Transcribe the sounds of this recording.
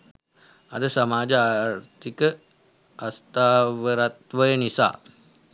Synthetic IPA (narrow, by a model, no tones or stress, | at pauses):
adəsamad͡ʒaːɾt̪ikə | ʔast̪awəɾat̪wəjənisa̰